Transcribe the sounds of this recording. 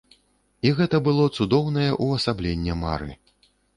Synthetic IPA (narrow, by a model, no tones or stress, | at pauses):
iɣɛt̪ɐbɨlˠɔt̪sud̪ɔwnɐjɛʔuɐsablʲenʲːɛma̰ɾɨ̰